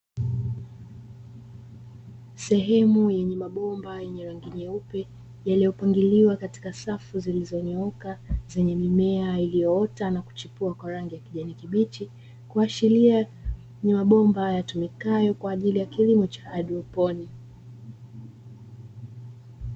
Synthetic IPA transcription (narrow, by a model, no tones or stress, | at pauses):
sɛɦɛmujɛɲɛmaɓɔmbajɛɲɛɾaŋɡiɲɛupɛ | jalijɔpaŋɡiliwakati̥kasafuzilizɔniɔkazɛɲɛmimɛailijɔɔtanaku̥t͡ʃipuakwaɾaŋɡijakiʄanikiɓiti | kuaʃilia | ɲɛmaɓɔmbajatumikajɔkwaːʄilijakilimut͡ʃḁaɗuɔpɔni